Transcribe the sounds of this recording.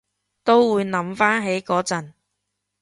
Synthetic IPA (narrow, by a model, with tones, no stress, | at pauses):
t̪o˥wwuː˨˧jnɐ˨˥mfaː˥nɦe˨˥jkɔː˨˥t͡sɐ˨n